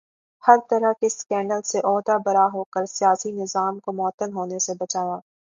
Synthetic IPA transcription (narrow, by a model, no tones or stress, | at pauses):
hɐɾt̪ɐɾəɦkeskɛ̃ːɳɖəlseʔɔːd̪abɐɾaɦoːkəɾsijaːsinɪzaːmkomɔt̪ːənɦoːnesebɐt͡ʃaːjaː